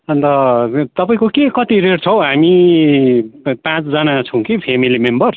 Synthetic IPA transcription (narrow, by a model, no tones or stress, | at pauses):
ʌnt̪ʌt̪ʌpaĩkokekʌt̪iɾeɽt͡sʰʌw̃ɦami | pãt͡sd͡zʌnat͡sʰũkipʰemilimembʌr